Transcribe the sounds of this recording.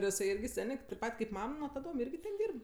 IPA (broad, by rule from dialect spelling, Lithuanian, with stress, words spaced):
ɪr jɪˈsɐɪ ˈɪrʲɡʲɪ ˈsʲæːnʲeː tɐɪp ˈpɐt kɐɪp ˈmɐm nuɔ tɐˈdoːm ˈɪrʲɡʲɪ tʲɛn ˈdʲiːrp